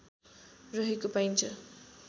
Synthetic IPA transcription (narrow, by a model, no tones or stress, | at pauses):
rʌɦekopajnt͡sʰʌ